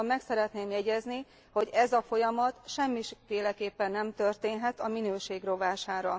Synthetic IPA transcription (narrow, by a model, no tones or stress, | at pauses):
mːɛksɛɾɛt̪neːmjɛɟɛzni | ho̞ɟɛzɒfo̞jɒmɒt̪ʃɛmːiʃfeːlɛkeːpːɛnːɛmt̪ørt̪eːnɦɛt̪ɒminøːʃeːɡro̞vaːʃaːɾɒ̰